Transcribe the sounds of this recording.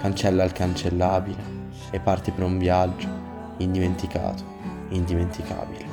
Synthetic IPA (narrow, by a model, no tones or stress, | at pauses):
kant͡ʃɛlːaːlkant͡ʃelːaːbile | epːart̪ipeɾuɱvjad͡ʒːo | ind̪iment̪ika̰ːt̪o̥ | ind̪iment̪ika̰ːbile